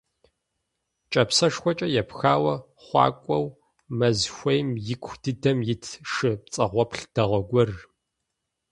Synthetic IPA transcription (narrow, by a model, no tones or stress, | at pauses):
t͡ʃʼɐpsɐʂxʷɔt͡ʃʼɐjɛpxaːwɐ | χʷɑ̰ːkʷʼɔw | mɐzxʷɐjmjɪkʷʰd̥ɨdɐmjɪtʰʂɨp̚t͡sʼɐʁʷɔpɬd̥ɐʁʷɔɡʷɔr